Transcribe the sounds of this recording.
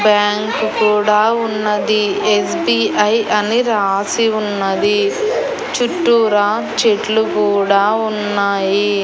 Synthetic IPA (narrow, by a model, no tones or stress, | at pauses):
bjaːŋkkuːɽaːunːɐd̪iesbiːʔɐjʔɐniɾaːsiunːɐd̪i | t͡ʃuʈːuːɾaː | t͡ʃeʈlukuːɽaːunːaːji